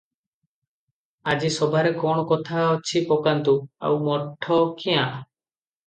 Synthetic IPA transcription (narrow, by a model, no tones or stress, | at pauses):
ad͡ʒisɔbʱaɾekɔɽ̃ɔkɔt̪ʰaɔt͡ʃʰipɔkant̪ua̰wmɔʈʰːɔkʰijãʔ